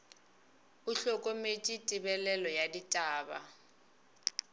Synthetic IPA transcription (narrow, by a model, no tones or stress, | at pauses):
ʊɬɔkʼomet͡ʃʼitʼɪbɛlɛlɔjaditʼaːba̰